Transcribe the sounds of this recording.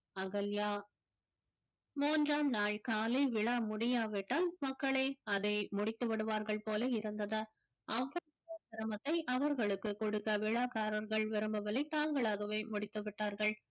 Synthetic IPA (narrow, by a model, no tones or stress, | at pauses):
ɐɣɐljaː | muːndraːmnaːɭkaːliʋɪɭaːmʊɽɪjaːʋɪʈːaːlmɐkːɐɭeːɐðɐɪmʊɽɪt̪ːɯʋɐɽɯʋaːɾɣɐɭpoːlɐɪɾɯnd̪ɐðɐ | ʔɐʋːɐ | ɐsɐɾɐmɐt̪ːɐɪʔɐʋɐɾɣɐɭɯkːɯkːɔɽɯkːɐʋɪɭaːkaːɾɐɾɣɐɭʋɪɾɯmbɐʋɐlɐɪt̪aːŋɡɐɭaːɣɐʋeːmʊɽɪt̪ːɯʋɪʈːaːɾɣɐɭ